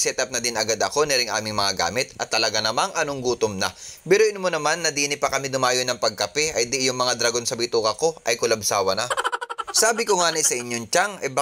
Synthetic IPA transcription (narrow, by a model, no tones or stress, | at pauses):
sɛt̪ɐp̚nɐd̪ɪnɐɡad̪ɐko̞nɛɾɪŋʔa̰ːmɪŋmɐŋaɡa̰ːmɪt̪̚ɐt̪ːɐlɐɡanɐmaŋʔɐnoŋɡuːt̪omnɐpɛːɾoʔɪnʊmonɐmanːɐd̪iːnɪpɐkɐmid̪ʊmaːjonːɐŋpɐɡ̚kɐpɛʔɐjd̪ɪʔjʊŋmɐŋad̪ɾɐɡonsɐbɪt̪uːkɐko̞ʔɐjkʊlɐbsaːwɐnɐsaːbɪkoŋaːnɪsɐʔɪɲjoŋt͡ʃaŋɐbɐ